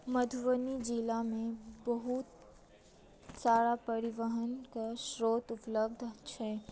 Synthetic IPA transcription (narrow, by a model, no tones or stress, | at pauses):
mɐd̪ʱʋənid͡ʒilamẽbɐɦut̪ | saːɽapɐɾɪʋəɦənkaʃɾoːt̪ʊpləb̚d̪ʱt͡ʃʰɛː